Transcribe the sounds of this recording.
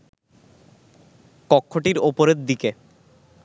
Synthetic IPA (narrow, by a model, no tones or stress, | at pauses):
kɔkʰːoʈiɾopoɾeɾd̪ike